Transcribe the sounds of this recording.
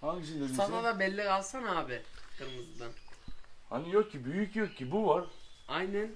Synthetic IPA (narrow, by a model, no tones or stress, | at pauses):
aʃsanad̪ˠabɛlʲːikalˠsanaːbɪkʰɯɾmɯzd̪anha̰nijokcʰːibyjycjok̚cʰːibuvaɾajnæn